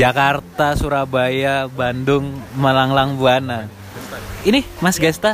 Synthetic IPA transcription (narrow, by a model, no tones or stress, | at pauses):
d͡ʒakart̪asuɾabajabandʊŋməlaŋlaŋbuana | inimasɡɛst̪a